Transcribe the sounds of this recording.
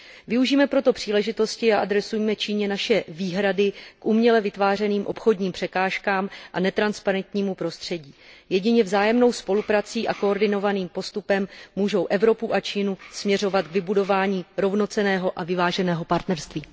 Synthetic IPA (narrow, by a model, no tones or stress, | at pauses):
vɪuʒiːmɛpɾo̞t̪o̞pr̝̥iːlɛʒɪt̪o̞scɪaʔadɾɛsujmɛt͡ʃiːɲɛnaʃɛviːɦɾadɪkʔumɲɛlɛvɪt̪vaːr̝ɛniːmʔo̞pxo̞dɲiːmpr̝̥ɛkaːʃkaːmʔanɛt̪ɾanspaɾɛnt̪ɲiːmupɾo̞st̪r̝̥ɛɟiːjɛɟɪɲɛvzaːjɛmno̞wspo̞lupɾat͡siːʔako̞ːɾdɪno̞vaniːmpo̞st̪upɛmːuːʒo̞wʔɛvɾo̞puʔat͡ʃiːnusmɲɛro̞vat̪ɡvɪbudo̞vaːɲiːɾo̞vno̞t͡sɛnɛːɦo̞ʔavɪvaːʒɛnɛːɦo̞paɾt̪nɛɾst̪viː